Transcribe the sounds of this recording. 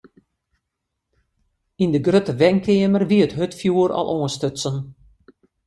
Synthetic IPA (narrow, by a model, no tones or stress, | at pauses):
indəɡrøtəʋɛŋkʰɪəmərʋiətɦøtfjuːəɾɔ̰lˠʔoənstøtsən